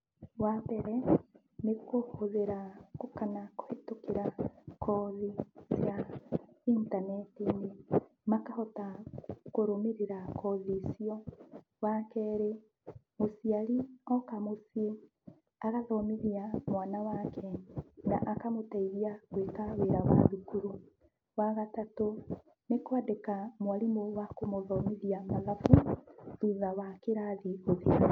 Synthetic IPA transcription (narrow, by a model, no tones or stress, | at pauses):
wapɛɾɛ | nekohoðeɾakokanako̥hetokeɾakʰɔðisja | intanɛtine | makahɔtakoɾomeɾeɾakɔðisiɔ | wakɛːɾe | mosiaɾiɔkamosie | aɣaðɔmiðiamwanawakʰɛna̰ʔakamotaiðiaɣwekaweɾawa̰ðukuɾu | waɣatato | nekwadekamwalimowakomoðɔmiðiamaðafuðiðawakeɾaðioðia